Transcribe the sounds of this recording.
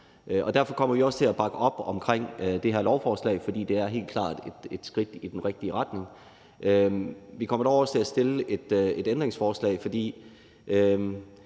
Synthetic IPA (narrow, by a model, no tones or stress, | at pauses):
ʔɒ̽d̥æɐ̰fɒ̽kʰɒ̽m̰ɐʋiɒ̽st͡sʰe̝læb̥ɑ̈ɡ̥əɒ̽b̥ɒ̽mkʰʁeŋ̰d̥e̝ɦeɐ̰lɒʊfɒːslɛ̰ɪfɒ̽d̥ḭːd̥e̝æɐɦe̝̰ːl̚kʰlɑ̰̈ːd̥e̝d̥ed̥sɡ̥ʁid̥id̥enʁeɡ̥̚d̥iəʁɑ̈d̥ne̝ŋ | ʔøʋikʰɒ̽m̰ɐɾɒɐst͡sʰe̝læsd̥e̝ləe̝d̥e̝d̥end̥ʁeŋsfɒːslɛ̰ɪfɒ̽d̥ḭː | ø